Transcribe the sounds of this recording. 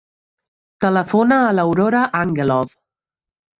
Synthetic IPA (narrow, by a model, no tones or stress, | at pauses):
t̪ələfonaːləwɾoɾaʔaŋɡelɔð